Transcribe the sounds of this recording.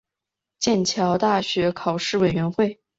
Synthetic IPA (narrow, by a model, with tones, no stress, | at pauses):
t͡ɕjɛ˥˩nt͡ɕʰjɑ˧˥ʊt̪a˥˩ɕɥɛ˧˥kʰɑ˨˩ʊʂɻ̩˥˩we˨˩ɪɥɛ˧˥nxwe˥˩ɪ